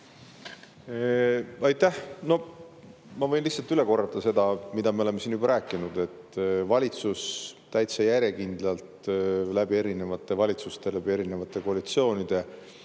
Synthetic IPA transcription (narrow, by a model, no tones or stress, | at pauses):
ɑjt̪ːˑæhno̞ | mɑvɤ̞jnliçsːɑlt̪yle̞ko̞rːɑt̪ːɑse̞d̪̥ɑmid̪̥ɑmeoleme̞siːnybɑɾʔæːkːˑinud̪̥e̞t̪ːˑvɑlʲit̪sust̪ːæjt̪sejæɾje̞kind̪̥lɑlt̪læb̥ie̞ɾine̞vɑt̪ˑːe̞vɑlʲit̪sust̪e̞læb̥ie̞ɾine̞vɑt̪ːˑe̞koɑlit̪sio̞ːnid̪̥e̞